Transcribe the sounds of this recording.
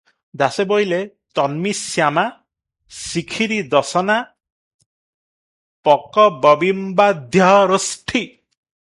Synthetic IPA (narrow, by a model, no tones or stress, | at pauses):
d̪asebɔile | t̪ɔnmisjama | sikʰiɾid̪ɔsɔna | pɔkɔbɔbimbad̪ʱjɔɦɾosʈʰi